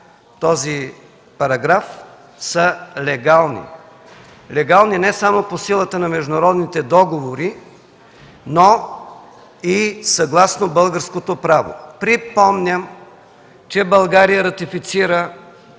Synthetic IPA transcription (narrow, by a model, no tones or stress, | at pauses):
t̪ɔzi | pɐɾɐɡɾaf | səlɛɡalˠnḭ | lɛɡalˠninɛsamoposilˠət̪ənɐmɛʒd̪ʊnɐɾɔd̪nit̪ɛd̪ɔɡovoɾi | no | isɐɡlˠasnobɤlˠɡəɾskot̪opɾavo̰pɾipɔmnʲəm | t͡ʃɛbɐlˠɡaɾijəɾɐt̪ifit̪siɾə